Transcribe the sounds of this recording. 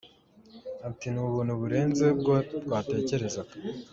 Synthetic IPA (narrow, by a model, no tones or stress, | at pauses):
atinuːβuːnhuβuɾe̞ːnzebɡobɡwaːte̞ːce̞ɾe̞zakḁ